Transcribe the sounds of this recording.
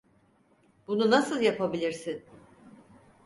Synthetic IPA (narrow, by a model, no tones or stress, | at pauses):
b̥ununasɯlˠjapʰabilʲiɾsin